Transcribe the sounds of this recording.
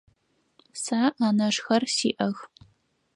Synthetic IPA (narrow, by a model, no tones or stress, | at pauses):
saːʔaːnɐʂxɐrsiːʔɐɣ